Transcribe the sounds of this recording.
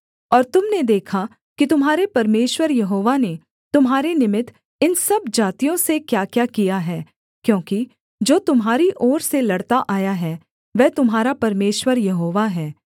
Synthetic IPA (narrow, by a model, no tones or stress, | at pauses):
ɔːɾt̪ʊmned̪eːkʰa | kit̪ʊmɦaːɾepɐɾmeːʃwəɾjɐɦoːʋane | t̪ʊmɦaːɾenɪmɪt̪ | ɪnsɐbd͡ʒaːt̪ijõsekjaːkjaːkijaɦɛː | kjõːki | d͡ʒoːt̪ʊmɦaːɾiʔɔːɾselɐɽt̪aʔaːjaɦɛː | ʋɛːt̪ʊmɦaːɾapɐɾmeːʃwəɾjɐɦoːʋaɦɛː